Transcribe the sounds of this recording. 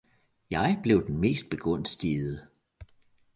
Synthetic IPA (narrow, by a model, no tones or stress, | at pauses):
jɑ̈ɪb̥le̝ʊd̥enme̝̰ːsd̥̚b̥e̝ɡ̥ʁɔ̽n̰sd̥iːðˠə